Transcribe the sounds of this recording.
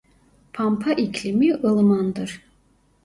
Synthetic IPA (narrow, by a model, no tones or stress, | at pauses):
pʰampʰaʔikʰʲlimiʔɯlˠɯmand̪ɯɾ